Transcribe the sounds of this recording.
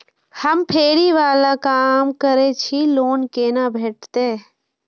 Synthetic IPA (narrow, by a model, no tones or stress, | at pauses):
həmpʰeːɽiʋaːlakaːmkəɾet͡ʃʰiloːnkeːnabʱeːʈ̚t̪eː